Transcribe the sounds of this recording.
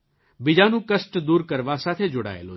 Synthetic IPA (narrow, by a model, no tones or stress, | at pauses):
bɪd͡ʒaːnũːkəsʈd̪uːɾkəɾʋaːsaːt̪ʰeːd͡ʒʊɽa̰ːḛːlo̰ː